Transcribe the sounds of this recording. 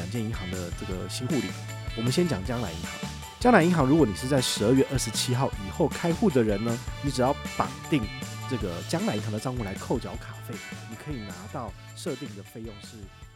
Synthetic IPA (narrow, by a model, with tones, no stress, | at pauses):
a˨˩nt͡ɕjɛ˥˩ni˧˥ŋxɑ˧˥ŋd̪ə˧ʈ͡ʂɤ˥˩ɡə˩ɕi˥ŋxu˥˩lḭ˨˩˥ | wɔ˨˩mə˦nɕjɛ˥nt͡ɕjɑ˨˩ŋt͡ɕjɑ˥ŋla˧˥ɪi˧˥ŋxɑ̰˧˥˦ŋ | t͡ɕjɑ˥ŋla˧˥i˧˥ŋxɑ˧˥ŋɻu˧˥kwɔ˧˥ni˨˩ʂɻ̩˥˧t͡sa˥˩ɪʂɻ̩˧˥ə˞˥˧ɥɛ˥˧ʔə˥˩ʂɻ̩˧˦t͡ɕʰi˥xɑ˥˩ʊʔi˨˩xo˥˩ʊkʰa˥ɪxu˥˩d̪ə˩ɻə˧˥nnə˦ni˧˥ʈ͡ʂɻ̩˨˩jɑ˥˩ʊpa̰˨˩ŋt̪i˥˩ŋʈ͡ʂɤ˥˩ɡə˩t͡ɕjɑ˥ŋla˧˥i˧˥ŋxɑ˧˥ŋd̪ə˨˧ɑ˥˧ŋxu˥˩la˧˥ɪkʰo˥˩ʊt͡ɕjɑ˧˥ʊkʰa˨˩fe˥˩ɪni˨˩kʰɤ˧˥i˨˩na˧˥t̪ɑ˥˩ʊ | ʂɤ˥˧t̪i˥˩ŋd̪ə˩fe˥˧ɪjo˥˧ŋʂɻ̩˥˩